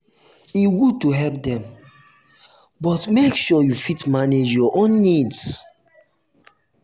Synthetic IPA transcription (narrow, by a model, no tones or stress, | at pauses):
iɡud̚tuɦɛlp̚dɛ̃m | bɔtmekʃɔjufitmaned͡ʒjɔʔõnːids